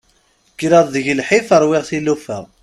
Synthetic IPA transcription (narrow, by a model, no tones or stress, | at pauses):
ɡ̥ɾæðˤðəʝəlħifəɾˤwɪʁθilːufæ̰